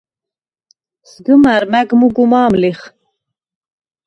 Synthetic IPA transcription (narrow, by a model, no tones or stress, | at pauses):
sɡumæɾmæɡmuɡumɑːmliχ